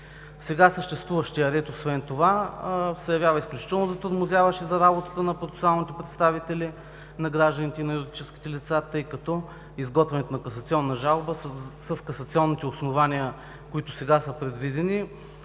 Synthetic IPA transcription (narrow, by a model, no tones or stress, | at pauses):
sɛɡasəʃt̪ɛst̪vuvɐʃt̪iɐɾɛt̪osvɛnt̪ovazɐjɐvʲjavəisklʲut͡ʃi̥t̪ɛlˠnozɐt̪oɾmozʲjavəʃɛzɐɾabot̪ə̥t̪ənɐpɾot̪ɛ̥salˠnit̪ɛpɾɛt̪st̪avit̪ɛli | nɐɡɾaʒd̪ənit̪ɛinɐɛɾod̪it͡ʃɛski̥t̪ɛlit̪sat̪ɤjkɐt̪ɔ | izɡɔt̪vɛnɛt̪onɐkɐsɐt̪siɔnːɐʒalˠbəsəskɐsɐt̪siɔnːit̪ɛosnovaniə | koit̪ʊsɛɡasəpɾɛd̪vid̪ɛni